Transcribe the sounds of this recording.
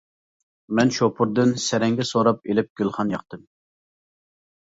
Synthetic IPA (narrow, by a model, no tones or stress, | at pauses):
mɛnʃopʰʊɾd̪ɨnsɛɾɛŋɡʲɛsoɾɑpelɪp̚ɡ̥ʲylˠχɑnjɑχt̪ɨm